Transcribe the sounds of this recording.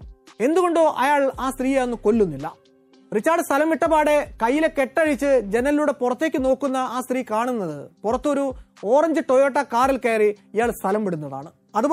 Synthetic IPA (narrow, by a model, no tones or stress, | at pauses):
e̞nd̪uɣo̞ɳɖoːʔɐjaːɭaːst̪riːjeonːuko̞lːunːilːɐ̰ | rit͡ɕːaːrɖst̪ʰɐlɐmʋiʈːɐpaːɽe̞kɐjːile̞ke̞ʈːɐɻit͡ɕːɨd͡ʑe̞nɐiluːɽe̞purɐt̪ːe̞ːkʲːɨno̞ːkːunːɐaːst̪riːkaːɳunːɐðɨpurɐt̪ːo̞ɾu | o̞ːrɐɲd͡ʑɨʈojoːʈːɐkaːrilkeːriijaːɭst̪ʰɐlɐmpiɽunːɐða̰ːɳɨ | ɐðu